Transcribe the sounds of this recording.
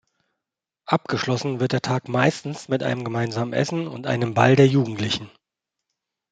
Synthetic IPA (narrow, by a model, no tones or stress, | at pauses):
ʔap̚ɡ̥əʃlɔsn̩vɪɐt̚d̥eːɐtʰaːkmaɪstn̩smɪtʔa̰ɪnəmɡəmaɪnzaːmənʔɛ̰sn̩ʊ̰ntʔa̰ɪnəmbaldeːɐjuːɡŋ̩tʰlɪçn̩